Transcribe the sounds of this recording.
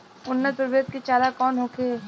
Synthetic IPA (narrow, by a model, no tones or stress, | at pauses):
ʊnːət̪ʊɾbeːt̪̚ket͡ʃaːlakɔːnɦoːkeː